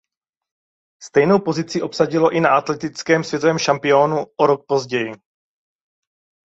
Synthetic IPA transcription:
st̪ɛjno̞wpo̞zɪt͡sɪʔo̞psaɟɪlo̞ʔɪnaʔat̪lɛt̪ɪt͡skɛːmsvjɛt̪ovɛːmʃampɪonuʔoɾok̚po̞zɟɛjɪ

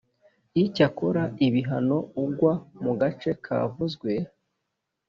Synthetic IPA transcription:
icako̞ɾaiβiɦano̞uɡwamuɡat͡ʃe̞kʰa̰ːvuzɡwe̞

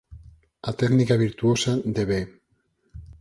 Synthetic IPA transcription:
at̪eknikaβ̞iɾt̪uosad̪eβe

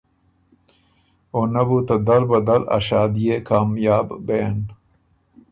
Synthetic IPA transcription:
onɐbut̪ɐd̪ɐlbɐd̪ɐlɐ̰ʃaːd̪ijekʰaːmjaːbbeːn

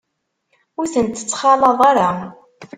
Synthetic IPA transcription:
ʊɾθənt̪ə̥t͡sːχɑlˤɑðˤaɾˤɑ

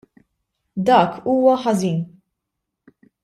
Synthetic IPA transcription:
d̪ɐːkʰuːwɐħɐziːn

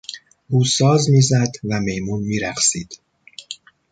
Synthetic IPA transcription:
buːsɒːzmiːzæd̪væme̞jmuːnmiːɾæxsiːd̪̥

